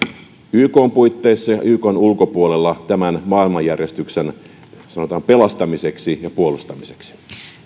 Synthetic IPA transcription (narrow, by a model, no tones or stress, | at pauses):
yːkoːmpuit̪ːeisːɑjɑ̰ʔyːkoːnulkopuolelːɑt̪æmænmɑːilmɑjːærjest̪yksen | sɑno̞t̪ɑːmpe̞lɑst̪ɑmiseksijɑpuolust̪ɑmiseksi̥